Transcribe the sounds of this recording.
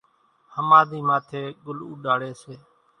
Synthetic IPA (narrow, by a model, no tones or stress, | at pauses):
həmãːd̪iːmaːt̪ʰeːɡʊlṵːɗaːɽeːseː